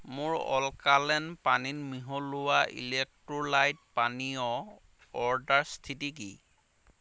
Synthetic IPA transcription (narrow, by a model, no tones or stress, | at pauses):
mʊɹɔ̰lkalɛnpaninmiɦɔlʊwaʔḭlɛk̚tɹɔlajd̚paniɔ | ɔɹdaɹstʰitik̬i